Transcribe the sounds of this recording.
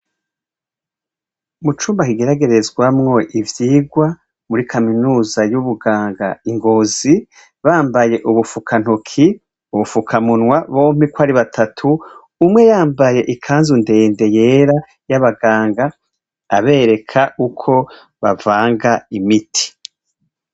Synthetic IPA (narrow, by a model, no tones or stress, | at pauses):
mut͡ʃuːmbakiɡe̞ɾaɡe̞ɾe̞zɡwamŋo̞ʔivjiːɡwa | muɾikʰaminuːzajuβuɡaːŋɡaiŋɡo̞ːzi | βaːmbaje̞ʔuβufukʰan̥hokʰi | uβufukʰamunŋwaβo̞ːm̥ikwaːɾiβatʰatʰuː | mŋe̞jaːmbaje̞ʔikʰaːnzunde̞ːnde̞je̞ːɾa | jaβaɡaːŋɡaː | βe̞ːɾe̞kʰaʔukʰo̞ | βavaːŋɡaimitʰi̥